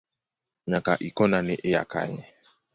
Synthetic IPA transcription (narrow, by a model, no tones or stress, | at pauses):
ɲakaʔikɔnanɛʔɪja̰ka̰ɲɛ